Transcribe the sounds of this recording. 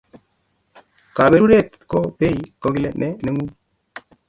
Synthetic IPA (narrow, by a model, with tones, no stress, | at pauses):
ka˨be˨ɾu˦ɾe˦˨t̪ | ko˦pe˦i˨ko˨ɡi˦le˦˨nʔe˦ne˨˦ŋu˦